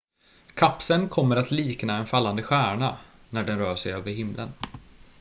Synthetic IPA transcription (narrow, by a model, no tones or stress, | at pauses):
kʰapsənkʰɔmːəɾat̪liːknaɛnfalːand̪əɧæːɳa | næɖɛnɾœːʂɛjøːvəɾɦɪmlʔə̰n